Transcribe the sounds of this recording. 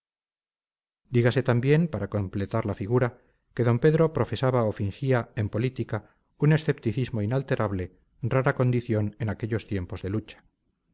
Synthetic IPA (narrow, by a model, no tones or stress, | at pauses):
d̪iɣase̞t̪ambje̞mpaɾako̞mple̞t̪aɾlafiɣuɾa | ke̞ðo̞mpe̞ðɾo̞pɾo̞fe̞saβaofiŋxiae̞mpo̞lit̪ika | une̞sθe̞pt̪iθizmoinalt̪e̞ɾʔaβle | raɾako̞nd̪iθjo̞ne̞nake̞ʎo̞st̪je̞mpo̞zðe̞lut͡ʃḁ